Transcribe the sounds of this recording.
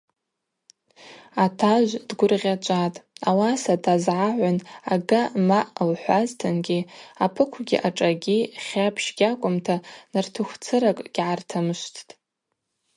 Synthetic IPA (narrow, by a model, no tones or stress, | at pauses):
atʰaʒʷdɡʷʊrʁʲat͡ʃʷʼatʼawasatʰazʕaʕʷanaɡamaʔlħʷaztʰɨnɡʲiapʰɨkʷʰɡʲḭʔaʈ͡ʂʼaɡʲiχʲapʰʃɡʲakʷʼʊmtʰanartʰɨxʷt͡sʰɨɾakʼɡʲʕartʰamɨʃʷtʰtʼ